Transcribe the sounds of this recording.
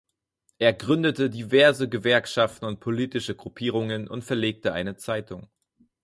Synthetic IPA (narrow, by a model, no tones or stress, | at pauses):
ʔeːɐɡʁʏndətədivɛɐzəɡəvɛɐkʃaftn̩ʊnt̚pʰoliːtɪʃəɡʁupʰiːʁ̞ʊŋənʔʊntfɛɐleːk̚təʔa̰ɪnət͡saɪtʰʊŋ